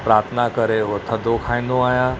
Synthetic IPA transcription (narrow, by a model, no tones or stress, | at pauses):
pɾaːɾt̪ʰənakɐɾeʋɐt̪ʰəd̪okʰaːĩːn̆d̪oaːɦjã